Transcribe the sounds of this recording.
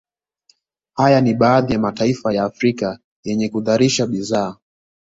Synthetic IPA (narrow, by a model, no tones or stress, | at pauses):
hajaniɓaːðijamataifajaːfɾika | jɛɲɛkuðaɾiʃaɓizaː